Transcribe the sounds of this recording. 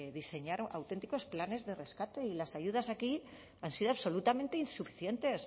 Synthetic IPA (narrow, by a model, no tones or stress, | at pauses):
ðise̞ɲaɾoa̰wt̪e̞nt̪iko̞splane̞zðe̞re̞skat̪e̞ilasaʝuð̞asaki | ansiðoaβso̞lut̪amẽ̞nt̪einsufi̥θje̞nt̪e̞s